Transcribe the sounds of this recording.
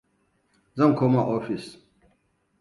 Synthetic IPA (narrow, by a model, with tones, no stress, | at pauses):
zɐ˦˨ŋkʷʰoː˦ma˦˨ʔɔː˦ɸɪ˨s